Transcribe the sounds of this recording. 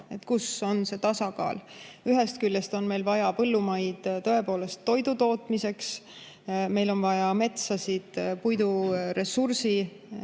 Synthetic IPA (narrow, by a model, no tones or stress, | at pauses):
e̞t̪ːkuso̞nse̞t̪ɑsɑkɑ̰ːl | yɦest̪̚kyljest̪o̞nme̞jlvɑjɑpɤlːumɑjd̪̥t̪o̞e̞po̞ːle̞st̪ːo̞jd̪ut̪o̞ːt̪ˑmise̞ks | me̞jlo̞nvɑjɑme̞t̪sɑsid̪̥pujd̪uɾe̞sursi